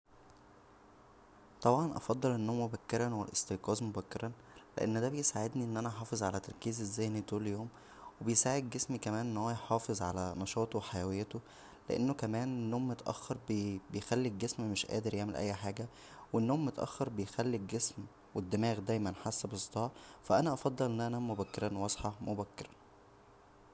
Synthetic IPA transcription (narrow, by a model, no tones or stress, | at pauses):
t̪ˤɑbʕɑnʔɑ̰fɑd̪ˤːɑlʔenːomobækːeɾˤɑnwelʔḛst̪eqɑːzmobækːeɾˤɑn | lḛʔḛnːd̪æːbejsaʕed̪niʔenːʔænæʔħɑːfezˤʕalæt̪ːɑɾˤkiːzezːæːnit̪uːlejoːm | webejsaːʕed̪̚ɡesmikæmæːnʔenːhowːæjħɑːfezˤʕa̰lænɑʃɑːt̪ˤowħajæwejːæt̪o | lḛʔḛnːokæmæːnenːoːmːot̪ʔæ̰xːɑɾˤbbejxælːiɡːesmmeʃʔæ̰ːd̪eɾjeʕmelʔæ̰jːħaːɡæ | wenːoːmːot̪ʔæ̰xːɑɾˤbejxælːiɡːesm | wed̪ːemæːɣd̪æjmænħasːæbesˤt̪ˤɑːʕfæʔænæʔɑfɑd̪ˤːɑlʔenːʔænæmobækːeɾˤɑnwɑsˤħɑmobækːeɾˤɑ